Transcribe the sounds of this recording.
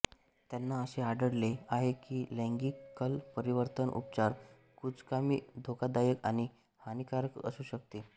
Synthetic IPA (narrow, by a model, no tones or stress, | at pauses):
t̪janːaəɕeaɖəɽleaɦekiːlə̃ŋɡiːkːəlpəɾiʋəɾt̪ənʔṵp̚t͡ɕaɾ | kud͡zkamḭːd̪ʱokad̪ajəkaɽ̃i | hanikaɾəkə̰suːɕək̚t̪e